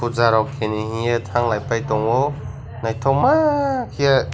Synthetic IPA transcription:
uzaɾawkʰenihĩetʰaŋlajpajtɔŋɔ | najtʰawmakʰia

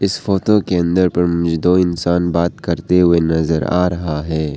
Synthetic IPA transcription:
ɪsfoːt̪okeɐ̃nd̪əɾpɐɾmʊd͡ʒd̪õɪnsaːnbaːt̪kɐɾt̪eɦʊenɐzəɾa̰ːɾɐɦaɦɛː

